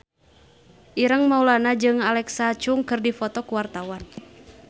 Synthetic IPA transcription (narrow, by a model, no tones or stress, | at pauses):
ʔiɾəŋmaulanad͡ʒɨŋalɛksat͡ʃuŋkɨrdifɔt̪ɔkuwart̪awan